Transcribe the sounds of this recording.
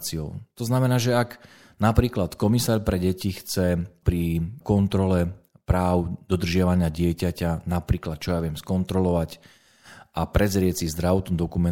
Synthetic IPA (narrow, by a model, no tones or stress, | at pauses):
t͡siɔʊt̪ɔznamɛnaːʒɛak | napɾiːklat̪kɔmisaːɾpɾɛɟɛcixt͡sɛpɾikɔnt̪ɾɔlɛpɾaːʊd̪ɔd̪r̩ʒɪaʋaɲɪaɟɪɛcacanapɾiːklat̪̚t͡ʃɔjaʋɪɛmskɔnt̪ɾɔlɔʋac | ʔapɾɛzɾɪɛt͡sizd̪ɾaʋɔt̪ɔmd̪ɔkumɛ